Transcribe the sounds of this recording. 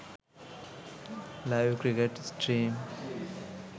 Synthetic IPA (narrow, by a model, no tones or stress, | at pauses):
lajʋkɾikeʈsʈɾiːm